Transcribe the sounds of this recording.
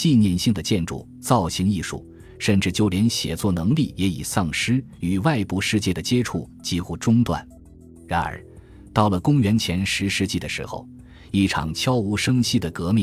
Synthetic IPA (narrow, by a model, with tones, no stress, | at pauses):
t͡ɕi˥˧njɛ˥˧nɕi˥˩ŋd̪ə˩t͡ɕjɛ˥˧nʈ͡ʂṵ˥˩ | t͡sɑ˥˩ʊɕi˧˥ni˥˧ʂṵ˥˩ | ʂə˥˩nʈ͡ʂɻ̩˥˩t͡ɕjo˥˧ʊljɛ˧˥nɕjɛ̰˨˩t͡swɔ˥˩nɤ˧˥ŋli˥˩jɛ˧˥ḭ˨˩sɑ˥˩ŋʂɻ̩˥ | y˨˩wa˥˧ɪpu˥˧ʂɻ̩˥˧t͡ɕjɛ˥˩d̪ə˩t͡ɕjɛ˥ʈ͡ʂʰu˥˩t͡ɕi˥xu˥ʈ͡ʂʊ˥ŋt̪wa̰˥˩n | ɻa˧˥nə̰˞˧˥ | t̪ɑ˥˩ʊlə˩kʊ˥ŋɥɛ˧˥nt͡ɕʰjɛ˧˥nʂɻ̩˧˥ʂɻ̩˧˥t͡ɕi˥˩d̪ə˩ʂɻ̩̰˧˥xo̰˧ʊ | i˥˩ʈ͡ʂʰɑ̰˨˩ŋt͡ɕʰjɑ˥ʊu˧˥ʂɤ˥ŋɕi˥˩d̪ə˩kɤ˧˥mi˥˩